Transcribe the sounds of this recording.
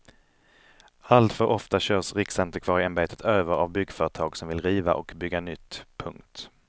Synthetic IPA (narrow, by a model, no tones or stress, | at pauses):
alt̪fœɾʔɔft̪aɕœːsɾɪksɛnt̪əɾkʰv̥ɑːɾɪɛnbeːt̪ʰə̥t̪ʰøːvəɾa̰vbʏɡːfœːɾət̪ʰɑːɡsɔmvɪlɾiːva̰ʔɔkbʏɡːanʏt̪ːpʰɵŋkt̪